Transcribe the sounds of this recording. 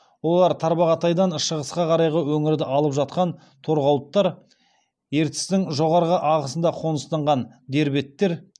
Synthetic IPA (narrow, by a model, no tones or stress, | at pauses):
wo̞lˠɑɾt̪ʰɑɾbɑʁɑt̪ɑjd̪ɑnʃəʁəsqɑqʰɑɾɑjʁəwɵŋɪɾd̪ɪʔɑlˠəpʒɑt̪̚qɑn | t̪ʰo̞ɾʁɑwˠət̪ːɑɾ | je̞ɾt̪ɪ̥st̪ɪŋʒo̞ʁɑɾʁəʔɑʁəsənd̪ɑqʰo̞nəst̪ɑɴʁɑn | d̪e̞ɾbe̞t̪ːe̞ɾ